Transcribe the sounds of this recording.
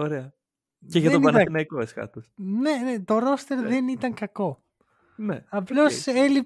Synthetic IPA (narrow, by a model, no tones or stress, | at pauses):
oɾeɐ | ceʝɐteonbɐnɐnɐkoeskɐ̰t̪osne̞net̪oɾo̞st̪e̞ɾðenit̪ɐŋkɐko̞ | nḛɐplo̞selip